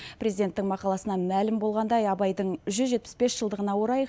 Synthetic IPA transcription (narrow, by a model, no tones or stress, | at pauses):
pɾʲe̞zijd̪ʲent̪ːɪŋmɑqɑlˠɑsənɑmælɪmbo̞lˠʁɑnd̪ɑjɑbɑjd̪əɴʒʏzʒe̞t̪̚pɪ̥sbe̞sʒ̥əlˠd̪əʁənɑwo̞ɾɑj